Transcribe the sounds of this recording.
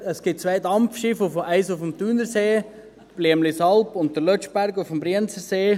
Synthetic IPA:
əsɡ̥ɪt̚t͡sʋaɪdɑmpfʃɪfʊfæɪsʊfəmtyːnəɾseː | b̥liəmlisɑlpʊntd̪əɾlœt͡ʃbæɾɡʊfəmbɾiənt͡səɾseː

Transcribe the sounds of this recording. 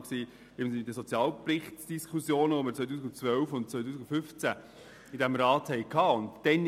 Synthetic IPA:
ksiː | ɪmnsɪɪd̪əsɔt͡sijɑːlprɪχtd̥iskʰχusjoːnəɔmət͡sʋœt̪̬uːsɪkʊnt͡sʋœlfʊnt̚t͡sœʏt̬uːsɪkʊfʏft͡sæ | ɪdæmɾɑːthɛɪkʰːɑːʊntd̥ɛn

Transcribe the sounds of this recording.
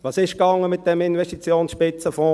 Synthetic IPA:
ʋɑːsɪʃkɑŋːəmɪt̚d̥ɛmɪnvɛʃtit͡sjoːnsʃpɪt͡səfɔ̃ː

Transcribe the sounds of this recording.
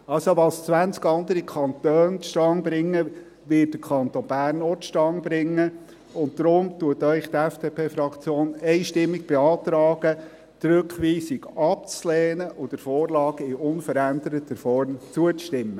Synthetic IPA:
ɑlsoʋɑst͡sʋænt͡skɑnd̪əɾikʰɑnt̪øːnʃtɑŋbɾɪŋːə | ʋɪt̚d̥əkʰɑnt̪onbæːrnotʃtɑŋbɾɪŋːə | ʊntdɾʊmtuətœʏχtɛfd̥epʰeːfɾɑkt͡sjoːnɛɪʃtɪmːɪɡ̚b̥ɛɑːt̪ɾɑːɡ̥ə | t̪ɾøkχʋiːsɪɡɑp̚t͡slɛːnəʔʊdəɾfɔːɾlɑːɡɪʊnfəɾænd̪əɾətəfɔɾmt͡suət͡stɪmːə

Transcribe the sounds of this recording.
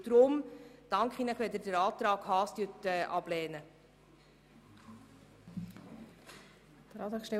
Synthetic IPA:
d̥ɾʊmd̥ɑŋkχiːnəχʋɛd̪əɾdəɾɑːt̪ɾɑːɡ̥hɑːst̪ytɛʔɑb̥lɛːnə | d̪̥əɾɑːt̪ɾɑːkʃtɛ

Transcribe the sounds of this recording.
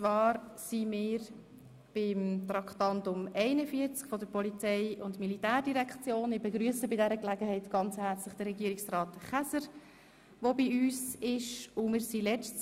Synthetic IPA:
t͡sʋɑːɾsimɪːɾ | b̥ɪmt̪ɾɑkʰtɑntʊmɛɪnəfiəɾt͡skfɔdəɾpɔlit͡sɛɪʊntmilitæːɾdiɾɛkʰt͡sjoːnɪbɛɡɾyəsəbɪdɛɾəklɛɡəɦɛɪtɡ̥ɑnt͡shɛɾt͡slɪχd̥əɾɛɡiːɾɪksrɑːtχæsəɾ | ʋobiyːsɪʃʊmɪːɾsilɛt͡st

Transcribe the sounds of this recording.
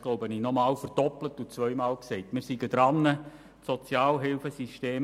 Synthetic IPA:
ɡ̥loʊbəniːnɔmɑːlfərd̥ɔplətut͡sʋœʏmɑːlksɛɪtmɪːɾsiɡəd̪ɾɑnːə | sɔt͡sjɑːlɦɪlfəsiʃteːm

